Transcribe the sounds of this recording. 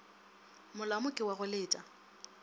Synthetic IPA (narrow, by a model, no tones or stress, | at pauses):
mʊlamʊkʼɪwaɣʊlɪːtʼa